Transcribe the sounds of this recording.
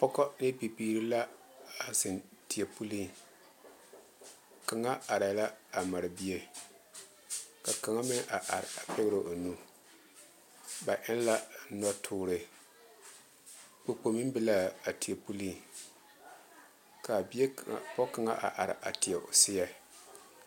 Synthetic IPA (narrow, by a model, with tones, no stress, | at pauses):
pɔ˦kɔ˦de˦bi˨biː˦ɾi˦la˦ | a˨zɪ˨nti˨ja˨pu˦li˦ | ka˨ŋa˦a˨ɾa˨˦la˦a˨ma˨ɾɨ˨bi˦e˦ | ka˨ka˨ŋa˦mɪ˦ʔa˨ʔa˨ɾa˨pɛ˦bɾɨ˨ʔo˨nu˦ | ba˨ʔɪ˦n˦la˦nɔ˦tʰʊː˦ɾɨ˨ | k͡po˨k͡po˨mɨ˦m˦bɨ˦la˦a˨ti˨a˨pu˦li˦˨ | ka˨bi˦e˦˨pɔ˦ka˨ŋa̰˦ʔa̰˨ʔa˨ɾɪ̰˨ʔa̰˨tɪ˨a˨ʔʊ̰˨sɪ˦ja˦